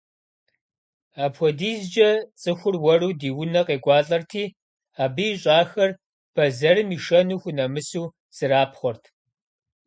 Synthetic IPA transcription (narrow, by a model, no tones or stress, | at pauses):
aːpxʷɔdiːzd͡ʒɐt͡sʼɨxʷʊrwɐruːdiːwʊnɐqeːɡʷɑːɬʼɐrtʰiː | aːbɨjːɕʼaːxɐr | b̥ɐzɐrɨmiːʃɐnuːxʷʊnɐmɨsuː | z̥ɨraːpʰχʷɔrtʰ